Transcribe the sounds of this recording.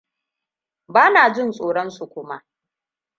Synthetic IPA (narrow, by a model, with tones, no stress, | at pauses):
baː˦naː˨d͡ʒɪ˦nsʼoː˨ɽɔ˦nsu˨kʷʊ˦ma˦ʔ